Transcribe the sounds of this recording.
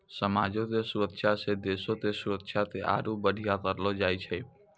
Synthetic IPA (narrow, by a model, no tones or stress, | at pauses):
səmaːd͡ʒõt̪esuɾəkʃʰased̪esõt̪esuɾəkʃʰat̪eʔa̰ːɾubəɽ̤ʱijat̪əɾlod͡ʒaːjt͡ʃʰɛ